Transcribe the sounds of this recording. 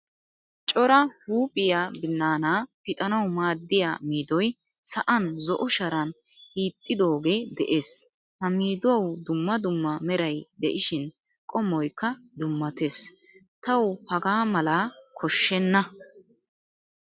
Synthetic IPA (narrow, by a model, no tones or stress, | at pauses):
t͡ʃʼɔɾɐhuːpʼɪjaːbɪnːaːnaːpɪt̪ʼɐnɐwmaːd̪ːɪja̰ːmiːd̪ɔj | sɐʔɐnzɔʔɔʃɐɾɐn | hiːt̪ʼːɪd̪o̞ːɡe̞ːd̪ɛʔe̞ːs | hɐmiːd̪ʊwɐwd̪ʊmːɐd̪ʊmːɐmɛɾɐjd̪ɛʔɪʃɪn | kʼɔmːɔjkːɐd̪ʊmːɐt̪e̞ːs | t̪ɐwhɐɡaːmɐlaːkʰɔʃːɛnːɐ